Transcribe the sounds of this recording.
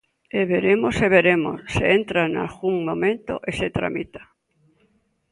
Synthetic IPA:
eβeɾemoseβeɾemo̰sseent̪ɾana̰lɣuŋmõmẽnt̪o̰ʔeset̪ɾa̰mit̪ḁ

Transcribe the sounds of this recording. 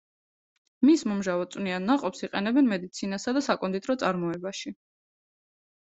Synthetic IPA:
mismɔmʒavɔt̪sʼwnianːaqʼɔpsiqʼɛnɛbɛnmɛd̪it̪sʰinasad̪asakʼɔnd̪it̪ʼɾɔt̪sʼaɾmɔɛbaʃi

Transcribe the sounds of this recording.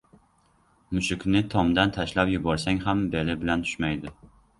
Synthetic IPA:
mʊʃʊkʲnɪt̪ʰɒmd̪ant̪ʰaʃlapjʊbɒɾsaŋɦambe̞lɪbɪlant̪ʰʊ̥ʃmajd̪ɪ

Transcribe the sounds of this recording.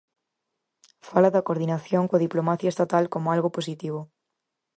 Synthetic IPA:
falɐðɐkoɾðinaθjoŋkwɐðiplomaθjɐest̪at̪alkomoalɣopos̬it̪iβ̞o

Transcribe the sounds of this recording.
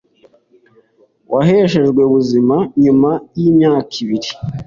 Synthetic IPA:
wʔaɦeʃe̞ʒɡwe̞βuzimaɲumajiːmɲaːkiβiɾi

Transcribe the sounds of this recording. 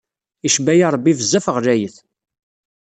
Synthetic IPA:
iʃbæjɑɾˤbːivəzːæfəʁlæjəθ

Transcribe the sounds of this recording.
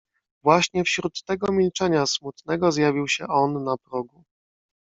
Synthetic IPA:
vwaɕɲɛfɕɾut̪ːɛɡɔmʲilt͡ʂɛɲasmut̪nɛɡɔzjavʲiwɕɛʔɔnːapɾɔɡu

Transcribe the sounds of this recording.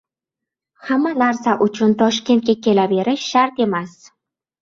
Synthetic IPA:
hamːalaɾsaʔʊt͡ʃʰʊnt̪ʰɒʃkʲe̞nt̪̚kʲakʲe̞labe̞ɾɪʃʃaɾt̪e̞mas

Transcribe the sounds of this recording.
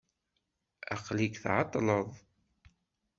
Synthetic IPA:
æqlikθʕɑt̪ˤːləðˤ

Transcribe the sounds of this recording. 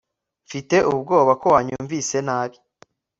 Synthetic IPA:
fite̞ʔub̚ɡo̞ːβako̞waːɲuːɱvise̞naːβi

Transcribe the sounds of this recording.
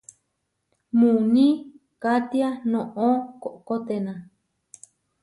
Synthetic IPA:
mũnĩ | kat̪ianõʔõkoʔkot̪enã

